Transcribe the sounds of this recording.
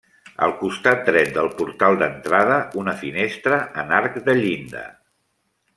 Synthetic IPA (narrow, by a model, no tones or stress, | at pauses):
ə̰lˠkust̪at̪̚d̪ɾɛt̪̚d̪əlˠpuɾt̪alˠd̪ənt̪ɾað̞əunəfinest̪ɾəʔənaɾkd̪əʎind̪ə̰